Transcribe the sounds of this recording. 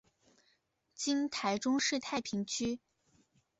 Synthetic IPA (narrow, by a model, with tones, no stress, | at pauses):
t͡ɕi˥nt̪ʰa˧˥ɪʈ͡ʂʊ˥ŋʂɻ̩˥˧t̪ʰa˥˩ɪpʰi˧˥ŋt͡ɕʰy˥